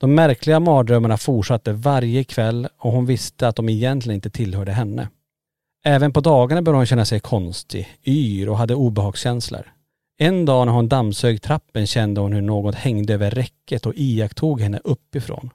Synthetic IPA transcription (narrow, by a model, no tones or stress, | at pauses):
d̪̥ɔmːæɾkʰlɪɡamɑːd̪ɾœmːaɳafuʈʂat̪ːəvaɾjəkʰvɛlːɔɦʊnvɪst̪əat̪̚d̪ɔmɛjɛnt̪lɪɡənɪt̪ət̪ʰɪlhœːɖəɦɛnːə̰ | ʔɛːvənpɔd̪ɑːɡaɳabœːɖəhʊnɕɛnːasɛjkʰɔnst̪ɪ̰yːɾɔɦad̪ːəuːbɛɦɑːɡɕɛnslə̰ɾ | ɛnd̪ɑːnæɾhʊnd̪amsøːɡt̪ʰɾapːənɕɛnd̪əhʊnhɵɳoːɡɔt̪hɛŋd̪əøːvəɾɛkːət̪ɔʔiːakt̪ʰuːɡhɛnːə̰ʔɵpːɪfɾo̰ːn